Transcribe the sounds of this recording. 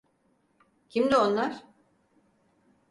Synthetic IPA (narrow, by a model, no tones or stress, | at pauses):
cʰimd̪io̞nlˠaɾ̥